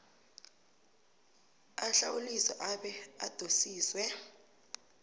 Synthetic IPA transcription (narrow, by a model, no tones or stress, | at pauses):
aɬawulisɔʔaɓɛad̥ʱosiːswɛ